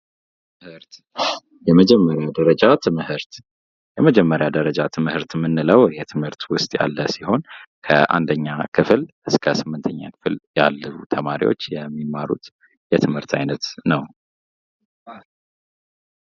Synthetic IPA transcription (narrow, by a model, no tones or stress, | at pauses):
ɨɾt̪ | jɛməd͡ʒɛmːəɾjad̪əɾəd͡ʒat̪ʰɨmhɨɾt̪ | jɛməd͡ʒɛmːəɾjad̪əɾəd͡ʒat̪ʰɨmhɨɾt̪mːɨnːɨləwjɛt̪ʰɨmhɨɾt̪wʊst̪ʼja̰lːəsiho̞nkʰə̰ʔa̰nd̪əɲːakʰɨflʔɨskʰəsɨmːɨnt̪ʰəɲːa̰kʰɨ̥flja̰lːəβut̪ʰəmaɾḭwot͡ʃːjɛmːimaɾṵt̪ | jɛt̪ʰɨmhɨɾt̪ʰajnət̪nəw